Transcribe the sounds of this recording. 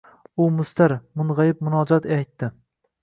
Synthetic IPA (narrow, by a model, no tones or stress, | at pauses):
ʊmʊst̪aɾmʊnʁɑjɪp̚mʊnɒd͡ʒɒt̪ajt̪ːɪ